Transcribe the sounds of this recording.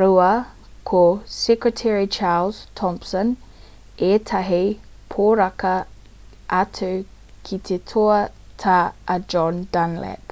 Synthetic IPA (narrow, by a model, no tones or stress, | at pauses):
ɾuɐ | kʰosɛkɹətʰɛɹit͡ʃʰaːlz̥tʰɔ̃mpsɔn | et̪ʰɐɦi | pʰoɾɐkɐ | ɐtʰəw | kʰit̪ʰetʰoɐtʰaɐd͡ʒɔndanlɛ̰p